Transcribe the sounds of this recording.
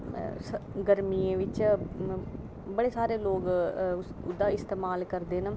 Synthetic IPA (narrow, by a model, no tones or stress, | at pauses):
sɡəɾmiːẽːʋɪt͡ʃ | bəɽeːsaːɾeːloːɡ | ʊd̪aːɪst̪eːmaːlkəɾd̪eːnə